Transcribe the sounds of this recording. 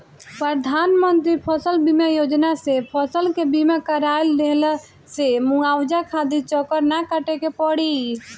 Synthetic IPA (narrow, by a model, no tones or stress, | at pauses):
pɾəd̪ʱanmənt̪ɾipʰəsəlbimejod͡ʒnasepʰəsəlkebimakəɾajld̪el | semuawd͡ʒakʰad̪it͡ʃɔkəɾnakəʈekepəɽi